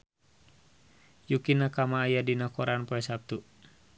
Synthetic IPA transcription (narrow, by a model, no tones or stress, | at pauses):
jukinakamaːjadinakɔɾʔanpɔɛsap̚t̪u